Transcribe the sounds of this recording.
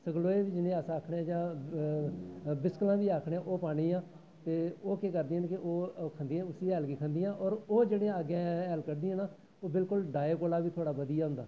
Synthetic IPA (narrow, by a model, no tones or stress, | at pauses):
səɡloːeːʋiːd͡ʒɪnẽːaːsãːəːkʰɽeːãːd͡ʒãː | bɪsklãːʋiːaːkʰɽẽːʔoːpaːɽ̃ĩːãː | t̪eːoːkeːkəɾd̪iːɦənkɪʔoːkʰənd̪iːãːʊsiːɛːlkiːkʰənd̪iːãːʔɔːɾoːd͡ʒeːɽẽəɡẽːɛːlkəɾd̪ĩːənaː | oːbɪlkʊlɖaːeːkoːlaːʋiːt̪ʰoːɽaːʋəd̪ijaːɦʊnd̪a̰ː